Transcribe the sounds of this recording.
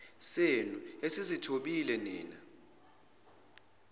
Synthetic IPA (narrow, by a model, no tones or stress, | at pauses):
senuesisitʰoɓilɛniːna